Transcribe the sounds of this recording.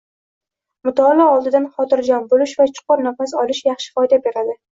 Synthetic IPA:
mʊt̪ʰɒlˠɒɒlˠd̪ɪd̪anχɒt̪ɪɾd͡ʒɒnbolɪʃvat͡ʃʰʊ̥qʰʊɾnafasɒlɪʃjɑχʃɪ̥fɒjd̪abe̞ɾad̪ɪ

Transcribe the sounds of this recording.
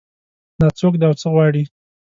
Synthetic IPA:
nat͡sok̬d̪eawt͡səɣwɑɽi

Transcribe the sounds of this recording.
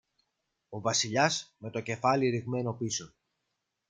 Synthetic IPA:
o̞vɐsiʎɐsme̞t̪o̞ce̞fɐliɾiɣme̞no̞piso

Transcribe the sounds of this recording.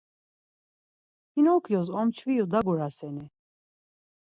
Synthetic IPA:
inɔkʰjɔzɔmt͡ʃʰvijud̪aɡuɾasɛni

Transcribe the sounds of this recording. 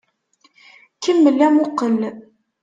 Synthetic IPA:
kəmːəlːæmʊqəl

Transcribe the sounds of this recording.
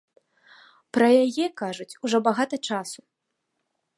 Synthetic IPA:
pɾɐjajɛkaʐut͡sʲuʐɔbaɣat̪ɐt͡ʂasu̥

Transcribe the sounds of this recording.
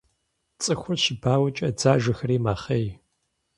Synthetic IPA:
t͡sʼɨxʷʊrʃɪbaːwɐt͡ʃʼɐd͡zaːʒɨxɐriːmaːχej

